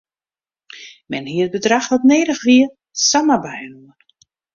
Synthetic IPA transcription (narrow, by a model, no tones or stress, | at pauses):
mɛnɦiəət̚bədraxɔtneːɾəxʋiə | saməbajənuən